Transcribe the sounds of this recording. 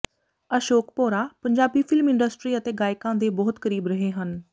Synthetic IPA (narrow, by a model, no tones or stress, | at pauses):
əʃoːkpoːɾaːpəɲd͡ʒaːbiːpʰɪlmɪ̃ɳɖəsʈɾiːət̪eːɡaːɪkãːd̪eːbɔːt̪kəɾiːbɾəɦeːɦən